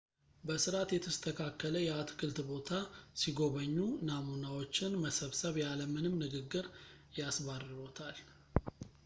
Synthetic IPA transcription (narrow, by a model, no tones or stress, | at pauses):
bəsɨɾat̪jɛt̪ʰəst̪ʰəkʰakːələjɛat̪kʰɨlt̪bo̞t̪ʰasiɡo̞βəɲːunamunawo̞t͡ʃːɪnməsəβsəβjaləmɨnɨmnɨɡɨɡːɨɾ | jasβarɨɾo̞t̪ʰal